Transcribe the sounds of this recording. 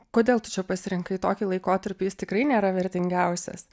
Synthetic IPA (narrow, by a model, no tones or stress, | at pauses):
koːd̪ʲeːlˠt̪ʊ̥t͡ʃʲɛpɐsʲɪɾʲɪŋkɐɪt̪oːkʲiːlˠɐɪkoːt̪ɐɾʲpʲijɪst̪ʲɪkɾɐɪnʲeːɾɐʋʲɛɾʲt̪ʲɪŋʲɡʲɛʊsʲɛ̰s